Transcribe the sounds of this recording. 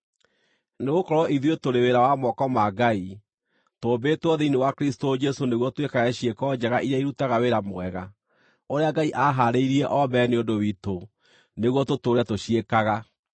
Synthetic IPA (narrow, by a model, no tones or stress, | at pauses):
neɣokɔɾɔʔiðietoɾeweɾawamɔkɔmaɡai | toːbetɔðeinewakɾistod͡ʒɛsoneɣwɔtwekaɣɛɕiekɔd͡ʑɛɣaʔiɾaiɾutaɣaweɾamwɛɣa | oɾeaɡaiʔaɦaɾeiɾiɛʔɔbɛneondowito | neɣwɔtotoɾeatoɕiekaɣa